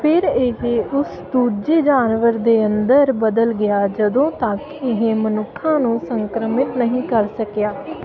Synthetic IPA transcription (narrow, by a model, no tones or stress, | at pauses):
pʰɪɾɪɦeʔʊs | d̪uːɾd͡ʒeːd͡ʒaːnʋəɾd̪eːənd̪əɾbəd̪əlɡɪjaːd͡ʒəd̪õːt̪ə̃k | ɪɦẽmənʊkʰːãːnũːsəŋkɾəmɪt̪nəɦĩːkəɾsəkjaː